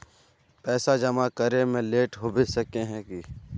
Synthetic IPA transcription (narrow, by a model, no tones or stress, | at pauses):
pɛːsad͡ʒɐmakəɾemẽleːʈɦobɪsəkeɦɛ̃ki